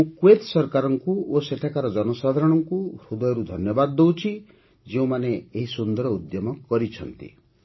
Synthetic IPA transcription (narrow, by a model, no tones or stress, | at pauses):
ũkwet̪sɔɾkaɾɔŋkuoseʈʰakaɾɔd͡ʒɔnɔsad̪ʱaɾɔɽ̃ɔŋkuɾud̪ɔjɔɾud̪ʱɔnjɔbad̪ːowt͡ʃʰi | d͡ʒeũmaneeɦisund̪ɔɾɔud̪jɔmɔkɔɾit͡ʃʰɔnt̪ḭ